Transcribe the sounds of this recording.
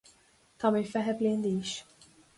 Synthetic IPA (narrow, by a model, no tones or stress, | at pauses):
t̪ɐmifɛħɛpliɪnd̪iːʃ